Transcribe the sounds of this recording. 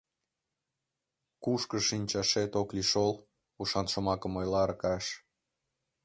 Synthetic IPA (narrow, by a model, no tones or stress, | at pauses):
kuʃkəʃinʲt͡ɕɑʃet̪okliʃol | uʃɑnʃəmɑkəmojlɑɾkɑʃ